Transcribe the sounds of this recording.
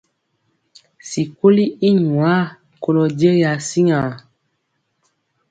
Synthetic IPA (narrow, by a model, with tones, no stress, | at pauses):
si˨ko˦li˦i˦ɲwa˦ | ko˨lɔ˨d͡ʒe˦ja˨si˦ŋa˨